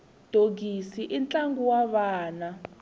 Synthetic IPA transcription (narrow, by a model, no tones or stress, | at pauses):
d̥ʱoɡisiʔint͡ɬʼaŋɡuwaβaːna